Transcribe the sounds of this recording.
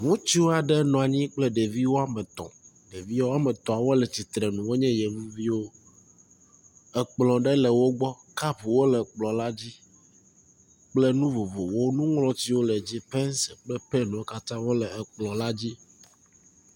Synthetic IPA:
ŋũ˦t͡ɕi˦wo˦a˨ɖɛ˦nɔ̃˨a˨ɲĩ˦k͡plɛ˦ɖe˨vi˦wo˦a˦mɛ̃˨t̪ɔ̰̃˨ | ɖe˨vi˦wo˦a˦mɛ̃˨t̪ɔ̃˨a˨wo˦lɛ˨t͡ɕi˨t̪ɾɛ˨nũ˨wo˦ɲɛ̃˦jɛ˨mũ˦vi˦wo˦ | ɛ˨k͡plɔ̃˨ɖɛ˦lɛ˨wo˦ɡ͡bɔ˦ | ka˦ɸu˨wo˦lɛ˨k͡plɔ̃˨la˦d͡ʑi˦ | k͡plɛ˦nũ˦vo˨vo˨wo˦nũ˦ŋlɔ̃˦t͡ɕi˦wo˦lɛ˨d͡ʑi˦pɛ˦nsɛ˨k͡plɛ˦pɛ˦nɔ̃˨˦ka˦t̪ã˦wo˦lɛ˨ɛ˨k͡plɔ̃˨la˦d͡ʑi˦

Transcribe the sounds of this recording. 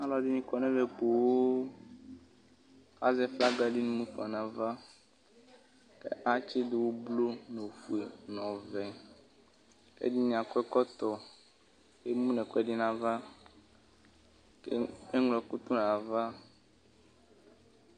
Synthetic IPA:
a˦lɔ˦di˦nĩ˦kɔ˨nɛ̃˦le˨k͡po˨wo˦ | ka˦zɛ˦fla˦ɡa˦ɖi˦nũ˦mũ˦fɔ˨nã˨va˦ | kḛ˦ʔa˦t͡ʃi˦d̪e˨wo˦blo˦ne˨fu˨e˨nɔ̃˨vɛ˨ | kḛ˦di˦ɲĩ˨ã˨kɔ˦ɛ˦kɔ˦t̪ɔ˨ | ke˦mũ˦nɛ̃˨kɔ˦ɛ˦ɖi˦nã˨va˦ | ke˦e˦ŋlɔ˨˦ku˦t̪u˦n˨a˨va˦

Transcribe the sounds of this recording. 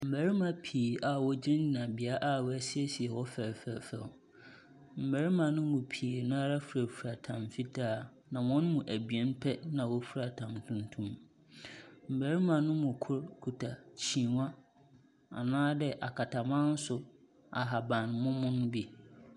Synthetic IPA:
m̩˨bæ˨ɾi˦mã˨pʰiː˨a˨wɔ˦d͡ʑĩ˦nĩ˨nã˨bɪ˨a˦ʔa˦wɔ˦æ˦sɪ˦ɛ˦si˨ɛ˨wɔ˦fæ˨ɾfæ˨fæ̰˨ | m̩˨bæ˨ɾi˦mã˨nʊ̃˦mʊ̃˨pʰi˨nʊ̃˦a˦ɾa˦fu˨ɾæ˨fu˨ɾa˨tʰã˨mfi˦tʰaː˦˨ | nã˨wɔ̃˦nmũ˨ʔæ˨bi˨ɛ̃˦npʰɛ˦nã˨wɔ˦fu˦ɾa˨tʰã˨mtʰũ˦ntʰũ˦m | m̩˨bæ˨ɾi˦mã˨nʊ̃˦mʊ̃˨kʰʊ˦ɾkʰu˨tʰa˨t͡ɕʰĩ˨wã˦ | a̰˨nãː˦dɛ˦˨ʔa˨kʰa˨tʰa˨mã˦n̩˦sʊ˨ | a˨ɦa˨bã˨nmʊ̃˦mʊ̃˦nʊ̃˦bi˦

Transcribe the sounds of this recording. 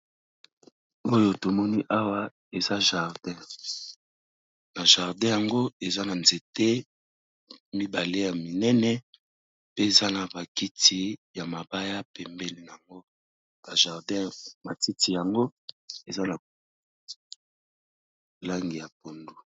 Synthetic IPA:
o˦jo˦to˨mɔ˦ni˦ʔa˦wa˦ | e˨za˦ʒa˨ʁdɛ̃˦ | na˨ʒa˨ʁdɛ̃˦ja˨ŋɡo˦e˨za˦na˨nze˨te˦ | mi˦ba˨le˦ja˨mi˨nɛ˦nɛ˦ | pe˦e˨za˦na˨ba˨ki˦tʰi˨ja˨ma˨ba˦ja˦pɛ˨mbe˦li˨na˨a˨ŋɡo˦ | ba˨ʒa˨ʁdɛ̃˦ma˨ti˦ti˨ja˨ŋɡo˦e˨za˦na˨ | la˦ŋɡi˨ja˨p̚o˨ndu˨

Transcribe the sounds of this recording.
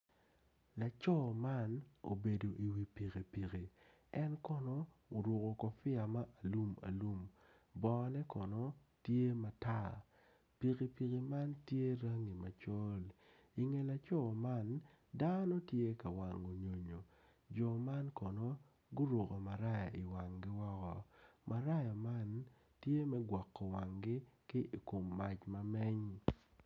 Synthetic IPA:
la˨t͡ʃɔ˦ma˦no̰˨be˨do˨ʔi˨wi˨pi˨ke˨pi˨ki˨ | ɛ˦nkɔ˨˦nɔ˦ | o˨ɾo˨ko˨kɔ˨fɪ˦a˨ma˦ʔa˨lu˦ma̰˨lu˦m | bɔ˨˦nɛ˦kɔ˨nɔ˦ | tje˦ma˨ta˦ | pi˨ki˨pi˨ki˨ma˦ntje˦ɾa˦ŋi˨ma˨t͡ʃɔ˦l | i˨ŋe˨la˨t͡ʃɔ˦˨ma˦n | da˦no˦tje˦ka˨wa˨ŋo˨ɲo˨ɲo˨ | d͡ʒɔ˨ma˦nkɔ˨no˦ | ɡʊ˦ɾo˨kɔ˨ma˨ɾa˦ja˨ʔi˨wa˨ŋɡɪ˦wɔ˦kɔ˨mʔa˨ɾa˦ja˨ma˦n | tje˦mɛ˦ɡwa˨kːɔ˨wa˨ŋɡɪ˦kɪ˦ʔi˨ko˨mːa˨t͡ʃma˦mɛ˦ɲ

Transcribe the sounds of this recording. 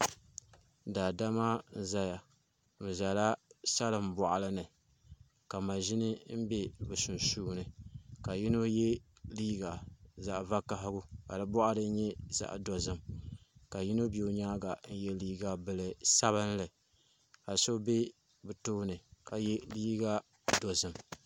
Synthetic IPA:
daː˨da˦ma˦n̩˦za˦ja˨ | mɨ˨za˨la˦sa˦lɨ˨m̩˨bɔ˨ʔa˨lɨ˦nɨ˨ | ka˨ma˨ʒi˦nɨ˦m̩˦be˦bɨ˨sʊ˨n˨suː˦nɨ˨ka˨ji˦no˦jɛ˦ | liː˦ɡa˨za˨ʔva˦ka˦ɦɪ˦ɡʊ˦ka˨dɨ˦bɔ˦ʔa˦dɨ˦ɲɛ˦za̰˨ʔdo˨zɨ˦mka˨ji˦no˦be˨o˨˦ɲaː˦ɡa˨n̩˦jɛ˦liː˦ɡa˨bɨ˨lɨ˨sa˦βɨ˦n˦lɨ˨ | ka˨so˦be˦ | bɨ˨toː˦nɨ˨ka˨jɛ˦liː˦ɡa˦ | do˨zɨ˨m

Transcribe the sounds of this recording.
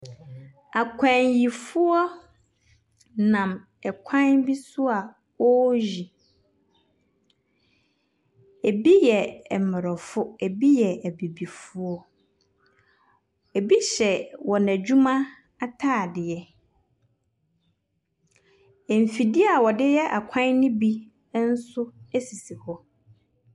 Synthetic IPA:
a˨kʷʰã˨ɲji˨fʊ˦ɔ˦ | nã˨m | ɛ˨kʷʰã˦nbi˦sʊ˦a˨ | ɔ˦ji˨ | e˨bi˦jɛ˨mɪ˨ɾɔ˨fʊ˦e˨bi˦jɛ˨ʔæ˨bi˨bi˨fʊ˨˦ɔ˦ | e˨bi˦ɕɛ˨wɔ˨næ˨d͡ʑu˦mã˦ | a˦tʰaː˦˨dɪ˨jɛ˦ | ɛ˨m˨fi˨dɪ˦a˨wɔ˨dɪ˦jɛ˦ʔa˨kʷʰã˦nnʊ̃˦bi˦ | n̩˦sʊ˦æ˦si˨si˨hɔ˦

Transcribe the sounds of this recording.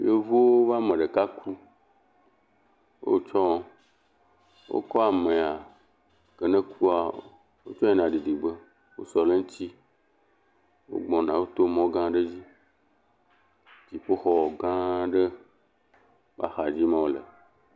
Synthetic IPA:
je˦vu˦wo˦va˦mə̃˨ɖə˨ka˦ku˦ | wo̰˦t͡ʃɔ˦ | wo̰˦kɔ˦a˨mẽ˨a˨ | kə˨nə̃˦ku˦a˨ | wo˦t͡ʃɔ˦e˦nã˨ɖi˨d̪i˨ɡ͡bə˦ | wo˦sɔ˨le˦ŋ̩̃˦t̪i˦ | wo̰˦ɡ͡bɔ̃˨nã˨wo˦t̪o˦mɔ̃˦ɡã˦ɖə˦d͡ʑi˦ | d͡ʒi˨ɸo˦xɔ˨ɡã˦ɖə˦ | va̰˦xa˨d͡ʑi˦mã˦wo˦lə̰˨

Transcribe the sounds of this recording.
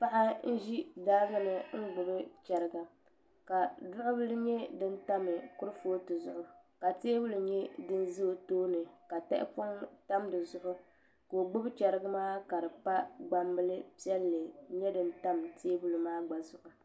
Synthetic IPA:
pa˦ʔa˦n̩˦ʒi˦daː˦ɡɨ˦nɨ˨ŋ̩˦ɡ͡bʊ˨bɨ˦t͡ʃɛ˨ɾɨ˨ɡa˨ | ka˨dʊ˦ʔʊ˦bɨ˦lɨ˦ɲɛ˦dɨ˦nta˦mɨ˨kʊ˦ɾɨ˦foː˦tɨ˨zʊ˦ʔʊ˦ka˨teː˦bʊ˦lɨ˨ɲɛ˦dɨ˦n˦zɨ˦˨toː˦nɨ˨ka˨tɛ̰˦ʔɪ̰˦pʊ˦ŋta˦mdɨ˨zʊ˦ʔʊ˦ | ko˨ɡ͡bʊ˦bt͡ʃɛ˨ɾɨ˦ɡa˦maː˦ka˨dɨ˨pa˦ɡ͡ba˨mbɨ˦lɨ˦pi˦ɛ˦lːɨ˨ɲɛ˦dɨ˦n˦ta˦mtʰeː˦bu˦lu˨maː˦ɡ͡ba˨zʊ˨ʔʊ˨

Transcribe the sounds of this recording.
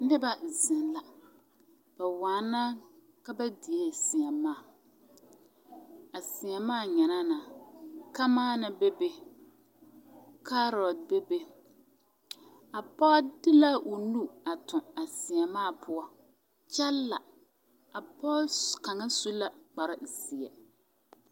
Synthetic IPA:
nɨ˦ba˦zɪ˨nla˨ | b̥a˨waː˨˦na˦ | ka˦ba˦di˨e˦sɪ˨ɛ˨maː˦˨ | a˨sɪ˨jɛ˨maː˦˨ɲɛ˨na˦na˨ka˦maː˦nɪ˨be˦be˦ | ka˦ɾɔ˨d̚be˦be˦ | a˨pɔ˦dɪ˦la˦ʔo˨nu˦a˨tʊ̃˨a˨sɪ˨ɛ˨maː˦˨pʰʊ˦ɔ˦ | t͡ʃɛ˦lːa̰˨ | a˨pɔ˦lka˨ŋa˦su˦la˨k͡pa˨ɾɪ˦˨sɪ˨ɛ̰˨

